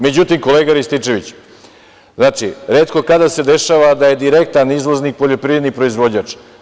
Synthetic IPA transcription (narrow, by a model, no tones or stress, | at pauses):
me̞d͡ʑut̪imko̞leɡaɾist̪it͡ʂe̞ʋit͡ɕ | znaːt͡ʂḭɾeːt̪ko̞kad̪ase̞d̪e̞ʃaːʋad̪aje̞d̪iɾe̞k̚t̪anizʋoznik̚po̞ʎo̞pɾiːvɾe̞d̪nipɾo̞izʋo̞d͡ʑɲat͡ʂ